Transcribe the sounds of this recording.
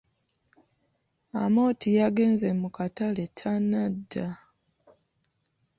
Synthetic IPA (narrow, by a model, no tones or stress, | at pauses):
a̰mo̞ːtʰijaɡe̞ːnzemukataletʰanadːa